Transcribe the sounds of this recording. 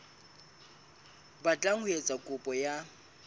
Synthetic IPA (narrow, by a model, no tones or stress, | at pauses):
bat͡ɬʼaŋʊet͡sʼakʼʊpʼɔja